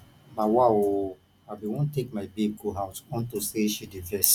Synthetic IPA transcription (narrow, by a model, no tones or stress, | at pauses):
mawawo | abiwõntekmaɪbikoɦawsɔ̃ntuseʃidivɛs